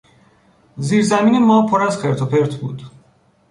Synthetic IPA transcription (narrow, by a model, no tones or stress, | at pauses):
ziːɾzæmiːnemɒːpʰoɾæzxeɾt̪ʰopeɾt̪ʰbṵːd̪